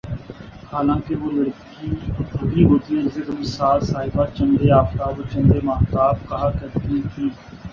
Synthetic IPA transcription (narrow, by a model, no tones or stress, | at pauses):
haːlãːkeʋoːləɾk | iːt̪əɡ̪iːɦoːt̪iːezɪkmsaːlsaːɦɪbaːt͡ʃə̃nd̪eːaːft̪aːbət͡ʃənd̪eːmaːɦt̪aːb̚kəɦaːkəɾd̪iːt̪ʰiː